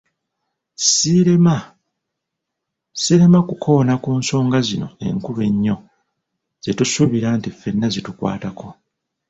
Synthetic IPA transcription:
siɾema | siɾe̞makukʰo̞ːnakuːnso̞ːŋɡazino̞̰e̞̰ŋkuβe̞ɲːo̞ | z̥etusuβiɾaːntife̞nːazitukwa̰ːtako

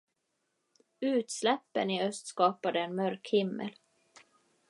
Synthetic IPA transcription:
ʉ̟ːt̪slɛpːənɪœst̪skɑːpad̪əɛnmœɾkhɪmːə̰l

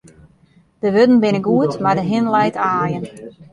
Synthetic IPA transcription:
d̥əʋødn̩bɪnəɡuətmardəɦɪnlɛjtaːjən

